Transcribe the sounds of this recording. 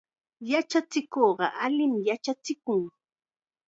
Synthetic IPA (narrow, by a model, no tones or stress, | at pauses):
jat͡ʃat͡sɪkoɢɑ̰ʔalɪmjat͡ʃat͡sɪkʊŋ